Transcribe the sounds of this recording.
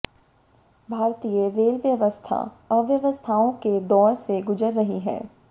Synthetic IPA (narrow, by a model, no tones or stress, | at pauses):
bʱaːɾt̪ijəɾeːlʋjəʋəst̪ʰa̰ | əʋjəʋəst̪ʰaːõked̪ɔːɾseɡʊd͡ʒəɾːɐɦiɦɛ̰ː